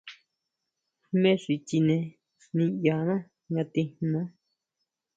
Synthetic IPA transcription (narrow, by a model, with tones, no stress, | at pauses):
mẽ˦ʂi˨t͡ʃi˧nẽ˧ | nĩ˧ja˨nã˦ | ɲã˧t̪ĩ˧n˧ã˦